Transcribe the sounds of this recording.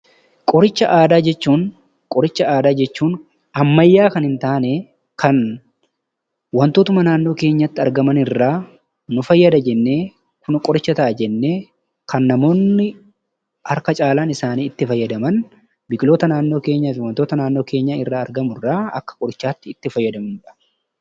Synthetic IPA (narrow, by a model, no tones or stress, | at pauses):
kʼɔɾɪt͡ʃːɐʔaːd̪aːd͡ʒɛt͡ʃːuːn | kʼɔɾɪt͡ʃːɐaːd̪aːd͡ʒɛt͡ʃːuːn | ɐmːɐjːaːkɐnhɪnt̪aːne | kʰɐn | wɐnt̪oːt̪ʊmɐnaːnːo̞ːke̞ːɲːɐt̪ːɪɐɾɡɐmɐnɪrːaː | nʊfɐjːɐd̪ɐd͡ʒɛnːeː | kʊnkʼɔɾɪt͡ʃːɐt̪ɐʔɐd͡ʒɛnːe̞ː | kʰɐnːɐmo̞ːnːɪ | hɐɾkɐt͡ʃʼaːlaːnɪsaːniːɪt̪ːɪfɐjːɐd̪ɐmɐn | bɪkʼɪlo̞ːt̪ɐnaːnːo̞ːke̞ːɲːaːfɪwɐnt̪o̞ːt̪ɐnaːnːo̞ːke̞ːɲːaːɪrːaːɐɾɡɐmʊrːaːɐ̰kːɐ̥kʼɔɾɪt͡ʃːaːt̪ːɪɪt̪ːɪfɐjːɐd̪ɐmɪnɐ̥